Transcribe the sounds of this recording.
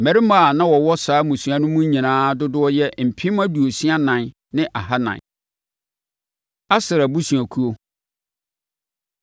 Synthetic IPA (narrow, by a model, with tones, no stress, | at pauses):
mɛ̃˨ɾi˦ma˦˨nã˦wɔ˨wɔ˦saː˨˦mʊ̃˨su˨a˨nʊ̃˦mʊ̃˦ɲĩ˨nãː˦dʊ˦dʊ˦ɔ˦jɛ˦m̩˨pʰĩ˦m˦a˦du˨o˨si˦a˦nã˨n | nɪ̃˦ʔa˨ɦa˦nã̰˨n | a˦sɪ˨ɾa˨bu˦sũ˨a˨kʰu˦o˦